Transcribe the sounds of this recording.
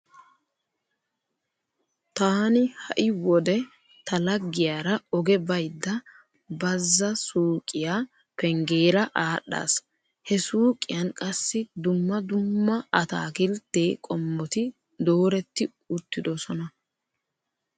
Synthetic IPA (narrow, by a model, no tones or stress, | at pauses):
t̪aːnɪhɐʔɪwɔd̪ɛ | t̪ʰɐlɐɡːɪjaːɾɐɔɡɛbɐjd̪ːɐ | bɐzːɐsuːkʼɪjaː | pɛŋɡe̞ːɾɐʔaːɗːa̰ːs | hɛsuːkʼɪjɐnkʼɐsːɪd̪ʊmːɐd̪ʊmːɐɐt̪a̰ːkɪlt̪ːe̞ːkʼɔmːɔt̪ɪ | d̪oːɾɛt̪ːɪ | ʊt̪ːɪd̪ɔsɔnɐ